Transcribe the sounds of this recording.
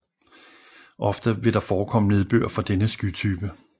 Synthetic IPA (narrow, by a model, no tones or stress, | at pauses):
ʔɒ̽fd̥əʋe̝ɾ̥ɑ̈fɒːkʰɒ̽m̰əne̝ð̞ˠb̥ø̰ɐ̰fɒ̽d̥enəsɡ̥yt͡sʰyːb̥ə